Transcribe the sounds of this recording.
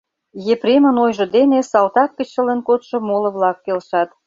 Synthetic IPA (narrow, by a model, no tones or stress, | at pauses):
jepremə̆nojʒə̆d̪enesɑlt̪ɑkːət͡ɕələnkot̪ʃɤ̆molə̆βlɑk̚ːelʃɑt̪